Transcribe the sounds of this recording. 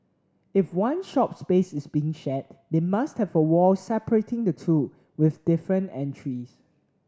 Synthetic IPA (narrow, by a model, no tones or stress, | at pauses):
ɪfwãnʃɔp̚spesɪsbiɪ̃ŋʃɛt̚demasthɛvəwɔsɛpəɹetɪ̃ŋdətʰu | wɪθdɪfɹə̃ntɛ̃ntʰɹis